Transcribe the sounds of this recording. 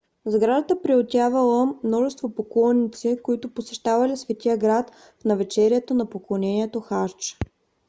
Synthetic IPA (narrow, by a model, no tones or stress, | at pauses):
zɡɾad̪ət̪əpɾiot̪ʲavɐlˠəmnɔʒɛst̪vopoklˠɔnːit̪sikoit̪ʊposɛʃt̪avɐlisvɛt̪iəɡɾat̪ | fnɐvɛt͡ʃɛɾiɛt̪onɐpoklˠonɛniɛt̪oxaɾt͡ʃ